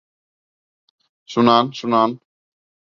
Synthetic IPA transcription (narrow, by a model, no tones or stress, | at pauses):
ʃunaːnsunaːn